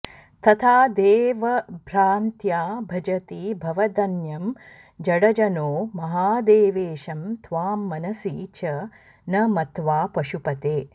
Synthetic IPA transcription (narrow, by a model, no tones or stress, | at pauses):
t̪ɐt̪ʰaːd̪eːʋɐbʱɾaːnt̪jaːbʱɐd͡ʒɐt̪iːbʱɐʋɐd̪ɐnjɐm | d͡ʒɐɽɐd͡ʒɐnoːmɐɦaːd̪eːʋeːʃɐmt̪ʰʋaːmːɐnɐsiːt͡ʃɐ | nɐmɐt̪ʋaːpɐʃupɐt̪eː